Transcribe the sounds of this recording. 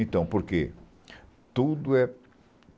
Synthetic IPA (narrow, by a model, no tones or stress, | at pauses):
ẽnt̪ɐ̃w̃poɾke | t̪ud̪ʊɛ